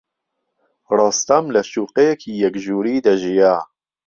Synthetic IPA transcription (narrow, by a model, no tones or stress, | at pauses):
rɑːst̪ɐmlɐʃuːqejekʰiːjɐkʒuːɾiːd̪ɐʒija